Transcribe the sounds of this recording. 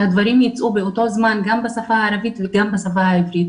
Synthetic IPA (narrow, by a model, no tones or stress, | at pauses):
had̪vaɾimjit͡sʔubeoto̞zmanɡambasafahaːɾavit̪veɡambasafahaivɾit̪